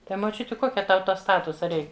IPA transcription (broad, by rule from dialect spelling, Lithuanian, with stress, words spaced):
ˈtɐɪ moːˈt͡ʃʲʊtʲɪ ˈkoːkʲɛ ˈtɐʊ ˈtoː ˈstɑːtʊsɐ ˈrʲɛɪk